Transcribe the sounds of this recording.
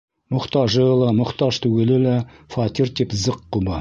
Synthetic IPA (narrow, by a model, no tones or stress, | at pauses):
mʊχt̪ɑʒəlˠɑmʊ̆χt̪ɑʒt̪ʰʉɡʲelɘlæfɑt̪irt̪epzəqːubɑ